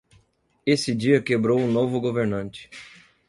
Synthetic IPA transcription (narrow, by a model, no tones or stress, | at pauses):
esɪd͡ʒiɐkebɾowũnovʊɡoveɾnɐ̃nt͡ʃɪ̥